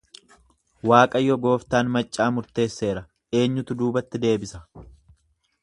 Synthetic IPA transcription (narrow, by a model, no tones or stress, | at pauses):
waːkʼɐjɔɡo̞ːft̪aːnmɐt͡ʃʼːaːmʊɾt̪e̞ːsːe̞ːɾɐ | e̞ːɲːʊt̪ʊd̪uːbɐt̪ːɪd̪e̞ːbɪsɐ